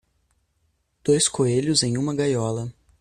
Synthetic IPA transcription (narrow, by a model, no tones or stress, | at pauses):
d̪̥ojskoeʎʊzẽj̃ũmɐɡajɔlɐ